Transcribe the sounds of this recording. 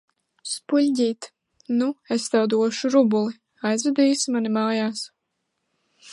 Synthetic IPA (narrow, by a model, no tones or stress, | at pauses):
spuʎʲɟʲiːt̪ | nuest̪awd̪uɔʃuɾubulˠi | ajzvɛd̪ijsmanimaːjaːs